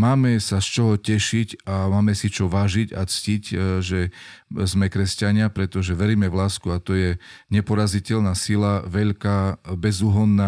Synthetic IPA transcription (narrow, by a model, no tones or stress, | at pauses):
maːmɛsast͡ʃɔɦɔcɛʃicamaːmɛsit͡ʃɔʋaːʒica̰t͡scicʒɛzmɛkɾɛscaɲɪapɾɛt̪ɔʒɛʋɛɾiːmɛʋlaːskuat̪ɔjɛɲɛpɔɾazicɛʎnasilaʋɛʎkaːbɛzuɦɔnːa